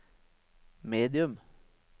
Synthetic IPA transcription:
meːd̪ɪʉm

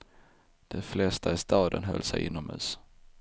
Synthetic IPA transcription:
d̪̥ɛflɛst̪ʰaɪst̪ɑːd̪ənɦœ̰lːsɛjʔɪnːɔmhʉ̟̰ːs

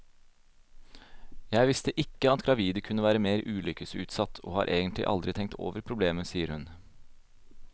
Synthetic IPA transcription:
jæɪʋɪst̪əʔɪkːəɑt̪ɡɾɑʋiːd̪əkʰʉnːəʋæːɾəmeːɾʔʉːlʏkəsʉːt̪sɑt̪ːʰo̰ːhɑ̰ːɾʔeːɡənt̪lɪ̰ʔɑ̰ld̪ɾɪt̪ʰɛŋk̚t̪ʰo̰ːʋəɾpʰɾʊbleːməsiːəɾhʉn

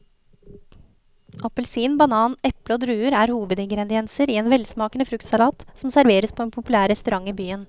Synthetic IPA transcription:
ʔɑpəlsiːnbɑnɑːnɛpləoːd̪ɾʉːəɾæːɾhuːʋəd̪ɪŋɡɾɛd̪ɪɛnsəɾiːeːnʋɛlsmɑːkənəfɾʉkt̪sɑlɑːt̪sɔmsæɾʋeːɾəspʰoːɛnpʰʊpʉlæːɾɛst̪ʉɾɑŋːiːbyːən

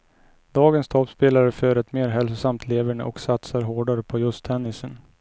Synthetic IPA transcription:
d̪ɑːɡənst̪ʰɔpspeːlaɾəfœɾɛt̪meːɾɦɛlsʊsamt̪ʰleːvəɳə̰ʔɔksat̪saɾɦoːɖaɾəpʰɔjɵst̪ʰɛnːɪsən

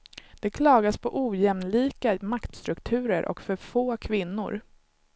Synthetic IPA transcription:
d̪̥ɛkʰlɑːɡaspʰɔʔuːjɛmnliːkamakt̪st̪ɾɵkt̪ʰʉ̟ːɾəɾʔɔ̰kfœɾfoːkʰvɪnːʊ̰ɾ

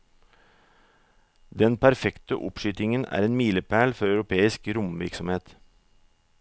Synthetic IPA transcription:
d̪ɛnpʰæɾfɛkt̪ə̰ʔʊ̰pʃʏːt̪ɪŋənæ̰ːɾeːnmiːləpʰæːɭfɔɾɑʉɾʊpʰeːɪskɾʊmʋɪɾksɔmheːt̪

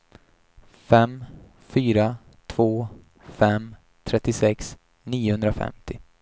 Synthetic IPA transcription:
fɛm | fyːɾa | t̪ʰv̥oː | fɛm | t̪ʰɾɛt̪ːɪsɛks | niːʊhɵnd̪ɾafɛ̰mt̪ɪ

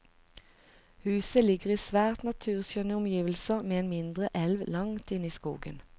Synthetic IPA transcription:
hʉːsəlɪɡəʁiːsʋæːʁt̪nɑt̪ʰʉːʁsjœnəʊmjiːʋl̩səmeːeːnmɪnd̪ʁəʔɛlʋlɑŋt̪ɪniːskṵːɡə̰n

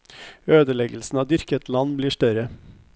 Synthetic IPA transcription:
øːd̪əlɛɡəl̩sn̩ɑːd̪ʏɾkət̪lɑnbliːʂʈœɾə

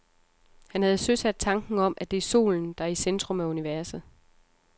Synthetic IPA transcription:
hænhæð̞ˠsøsæd̥̚t͡sʰɑ̈ŋɡ̥n̩ɒ̽m̰ʔæd̥e̝æso̝̰ːln̩d̥ɑ̈æɐisend̥ʁɔ̽mæuniʋæɐsð̩ˠ

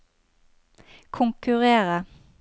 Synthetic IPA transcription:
kʰʊŋkʉʁeːʁə

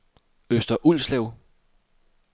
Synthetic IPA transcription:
øsd̥ɐʔul̰slɛʊ

